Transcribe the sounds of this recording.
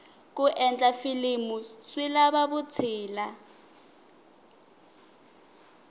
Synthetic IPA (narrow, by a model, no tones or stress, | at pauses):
k̬ʼuʔɛnt͡ɬʼafilimuswilaβaβʊt͡sʰiːla